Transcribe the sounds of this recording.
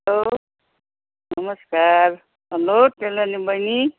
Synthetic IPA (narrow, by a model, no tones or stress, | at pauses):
lo | nʌmʌskaɾ | ɦʌloʈelanibʌjni